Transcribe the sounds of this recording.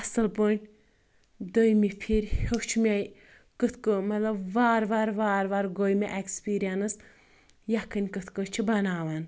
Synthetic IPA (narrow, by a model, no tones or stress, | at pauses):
ɐsɨlpoɳʲʈʲ | d̪ojmipʰiɾʲhokt͡ʃʰmʲej | kɨt̪ʰkɨmɐt̪lɐbʋaːɾʋaːɾʋaːɾʋaːɾɡojmʲeʔekspiːɾijɐnɨs | jɐkɨnʲkɨt̪ʰkɨt͡ʃʰibɐnaːʋan